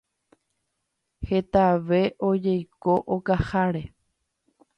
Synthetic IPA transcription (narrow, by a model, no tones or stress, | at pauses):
he̞t̪aʋe̞ʔod͡ʒejko̞ʔokahaɾe̞